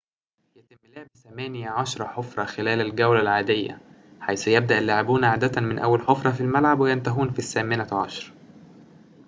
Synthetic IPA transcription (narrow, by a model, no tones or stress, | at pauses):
jæt̪ɪmːloʕebθæmæːnjaʕɑʃɾˤɑħofɾˤɑxelæːlælɡæwlælʕaːd̪ejːæ̰ | ħajsʊjeb̚d̪æʔælːaʕebuːnʕaːd̪æt̪mɪnʔæ̰wːælħofɾˤɑfilmælʕabwejent̪æɦuːnfisːæːmɪnæʕɑ̰ʃɾˤ